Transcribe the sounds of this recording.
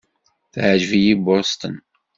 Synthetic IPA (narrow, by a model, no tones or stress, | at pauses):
θʕʒvijibʊɾst̪ən